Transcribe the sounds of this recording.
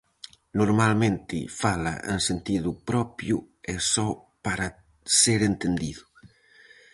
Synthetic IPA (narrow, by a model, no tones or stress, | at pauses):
nuɾmalment̪ifala̰ʔḛnsent̪iðupɾɔpju | esɔ | paɾa | seɾent̪end̪iðu